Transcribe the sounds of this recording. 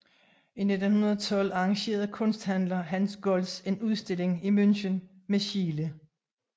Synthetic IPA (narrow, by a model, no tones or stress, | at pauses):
ine̝d̥n̩hunɐðˠɒt͡sʰɒ̽l̰ɑ̈ɑ̈ŋɕe̝̰ːɐðˠkʰɔ̽nsd̥hæn̰lɐɦænsɡ̥ɔlse̝nuð̞ˠsd̥e̝le̝ŋimønɕən | meɕiːlə